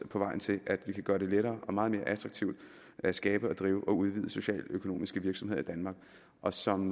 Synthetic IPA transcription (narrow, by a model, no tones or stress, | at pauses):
pʰɒ̽ʋɑ̈ɪ̰n̩t͡sʰe̝lʔæd̥ʋikʰæɡ̥ɶɐɾ̥e̝leɾɐːʔɒ̽mɑ̈ːð̞̩me̝ːɐʔæt͡sʰʁɑ̈ɡ̥̚t͡sʰiʊ̰d̥ | æsɡ̥ɛːb̥əɒ̽d̥ʁiːʊʔɒ̽uð̞ˠʋið̞̰ˠəso̝ɕɛ̰ːløkʰo̝no̝̰ːmisɡ̥əʋiɐɡ̥sɒ̽mɦe̝̰id̥ænmɑ̈ːɡ̥ | ʔɒ̽sɒ̽m